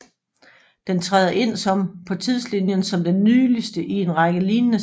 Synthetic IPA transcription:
d̥ent͡sʰʁaːðˠɐʔe̝n̰sɒ̽mpʰɒ̽t͡sʰið̞̰ˠslinjənsɒ̽md̥enːyːlisd̥əʔie̝nʁɑ̈ɡ̥əliːnnə

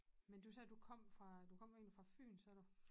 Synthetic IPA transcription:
mend̥usɛːd̥ukʰɒ̽m̰fʁɑ̈d̥ukʰɒ̽m̰eːnlifʁɑ̈fy̰ːnsɒɐɾ̥u

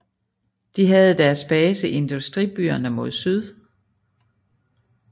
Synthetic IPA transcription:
d̥iɦæð̞̩ˠd̥æɐsb̥ɛːsəʔe̝nd̥usd̥ʁib̥y̰ːɐnəmo̝ð̞̰ˠsyð̞ˠ

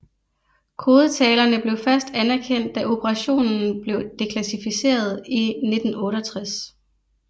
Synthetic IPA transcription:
kʰo̝ːð̞ˠət͡sʰɛːlɐnəb̥le̝ʊfɶɐsd̥ænæɐkʰen̰d̥ːæʔo̝pʰəʁɑ̈ɕo̝̰ːnn̩b̥le̝ʊd̥e̝kʰlæsifise̝̰ːɐð̞ˠine̝d̥n̩ɔ̽ːɾɒt͡sʰʁas

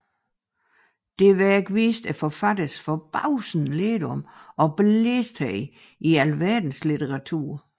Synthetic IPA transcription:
d̥e̝ʋæɐeɡ̥ʋiːsd̥æfɒ̽fæd̥əsfɒ̽b̥ɑʊsn̩led̥ɔmɒ̽b̥lesd̥ʰɛɪ | iælʋæɐ̰d̥n̩slit͡sʰəʁɑ̈t͡sʰṵɐ̰

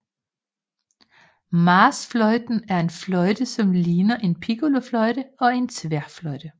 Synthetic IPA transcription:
mɑːsflɒɪd̥n̩æɐe̝nflɒɪd̥əsɒ̽mliːnɐʔe̝npʰiɡ̥oloflɒɪd̥əɒ̽e̝nt͡sʰʋæɐ̰flɒ̽ɪd̥ə

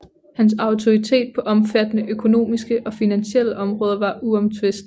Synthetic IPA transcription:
hæns̬ɑ̈ʊt͡sʰo̝ʁit͡sʰe̝̰ːd̥̚pʰɒ̽ʔɒ̽mfæd̥ənəʔøkʰo̝no̝̰ːmisɡ̥əʔɒ̽finænɕel̰əʔɒ̽mʁɔ̽ːð̞ˠɐʋɑ̈ʔuɒ̽mt͡sʰʋe̝sd̥

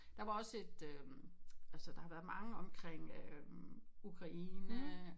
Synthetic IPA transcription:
d̥ɑ̈ʋɑ̈ɒ̽se̝d̥ø | ælsəd̥ɑ̈hɑ̈ʋæːɐmɑ̈ŋəɒ̽mkʰʁeŋ̰ø | ukʰʁɑ̈ʔiːnə

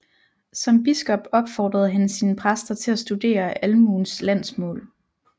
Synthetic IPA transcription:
sɒ̽mb̥isɡ̥ɒ̽b̥ɒ̽b̥fɒːd̥ʁɐð̞̩ˠɦænəsiːnəpʰʁasd̥ɐt͡sʰe̝læsd̥ud̥e̝̰ːɐʔælmuːnslæn̰smɔ̰̽ːl

